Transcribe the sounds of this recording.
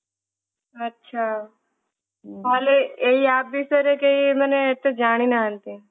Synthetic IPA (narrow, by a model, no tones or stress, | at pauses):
ɐtːʃʰaː | aːleeɦiaːp̚bisəɾekeimɛːneet̪ːed͡ʒaːɽ̃inaɦəlt̪i